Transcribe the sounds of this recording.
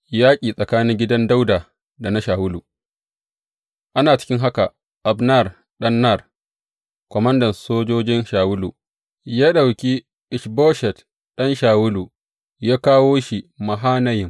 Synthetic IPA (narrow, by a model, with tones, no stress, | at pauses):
jaː˦kʲʼiː˨sʼɐ˨kaː˦nɪ˦ŋɡʲɪ˦dɐ˦nda˦wda˨ | da˨na˦ʃaː˨wʊ˦lu˨ | ʔa˦naː˨t͡ʃɪ̥˦kʲɪ˦ŋɦa˦ka˨ | ʔa˨bna˦˨r | ɗɐ˦nːa˦˨r | kʷɔ˨mɐ˦ndɐ˨nsoː˦d͡ʒoː˦d͡ʒɪ˦nʃaː˨wʊ˦lṵ˨ | jaː˦ɗa˨wkʲi˦ | ʔɪ˨ʃbɔː˦ʃɛ˨t | ɗɐ˦nʃaː˨wʊ˦lu˨ | jaː˦kaː˦woː˦ʃi˨ma˨ɦaː˦nɐ˦jɪ˨m